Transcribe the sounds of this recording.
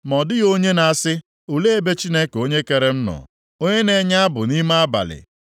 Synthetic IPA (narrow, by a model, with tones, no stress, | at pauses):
mɔ˨dɪ˦ɣo˦ɲe˦na˨sɪ˦ | u˨le˦e˦be˦t͡ʃi˦ne˦ko˦ɲe˦ke˨ɾe˦m̩˦nɔ̰˨ | o˦ɲe˦ne˨ɲa˦a˦bʊ˨ni˦ma˦a˦ba̰˨lɪ̰˨